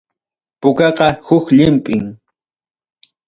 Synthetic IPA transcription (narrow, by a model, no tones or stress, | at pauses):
pʊkɑqɑhʊkʎɪmpʼɪŋ